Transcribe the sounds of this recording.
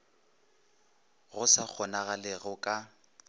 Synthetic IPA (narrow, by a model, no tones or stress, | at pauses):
ɣʊsak͡xʰɔnaɣalɪɣʊkʼa